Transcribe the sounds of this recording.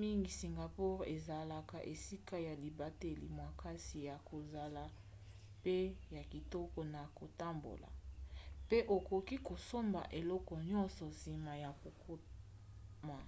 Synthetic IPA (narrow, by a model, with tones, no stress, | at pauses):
mi˦ŋɡi˨si˨ŋɡa˨pu˦ʁe˨za˨la˨ka˨ʔe˨si˦ka˦ja˨li˨ba˨te˦lḭ˨mwa˨ka˦si˨ja˨ko˨za˨la˨ | pe˦ja˨ki˨tɔ˦kɔ˨na˨ko˨ta˦mbo̰˨la̰˨pe˦ʔo˨ko˨ki˦ko˨so˦mba̰˨ʔe˨lɔ˦kɔ˨ɲɔ̃˦nsɔ˨si˨ma˨ja˨ko˨kʰo˦ | ma˨